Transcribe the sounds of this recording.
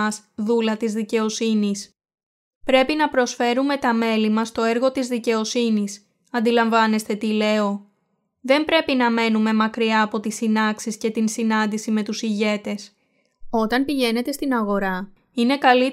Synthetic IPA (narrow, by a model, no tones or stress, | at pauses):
ɐsðulɐt̪izðice̞o̞sinis | pɾe̞pinɐpɾo̞sfe̞ɾume̞t̪ɐme̞limɐst̪o̞e̞ɾɣo̞t̪izðice̞o̞sinis | ɐnd̪ilɐɱvɐne̞st̪e̞t̪ile̞o̞ | ðe̞mbɾe̞pinɐme̞nume̞mɐkɾiɐːpo̞t̪isinɐksisce̞t̪insinɐnd̪isime̞t̪usiʝe̞t̪e̞s | o̞t̪ɐnpiʝe̞ne̞t̪e̞st̪inɐɣo̞ɾɐ | ine̞kɐli